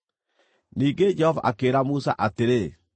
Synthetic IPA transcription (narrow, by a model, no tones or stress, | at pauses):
niːŋɡed͡ʒɛhɔva̰ʔakeɾamusa̰ʔateɾe